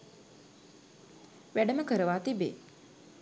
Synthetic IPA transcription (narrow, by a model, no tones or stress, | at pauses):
ʋæɖəməkəɾəʋaːt̪ibḛː